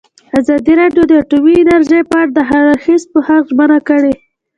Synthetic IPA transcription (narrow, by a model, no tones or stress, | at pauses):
azɑd̪iɾɑɖjod̪əaʈumiɪnaɾʒejpəaɾad̪əɦaaxis̚pəhaqʒmanakəɽe